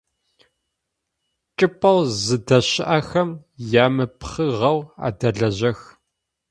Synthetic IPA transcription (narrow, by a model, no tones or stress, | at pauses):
t͡ʃʼɪpʰʼɐwzɨdɐɕɪʔɐxɐmjaːmɨpχɨʁɐwa̰ːdɐɮɐʑɐx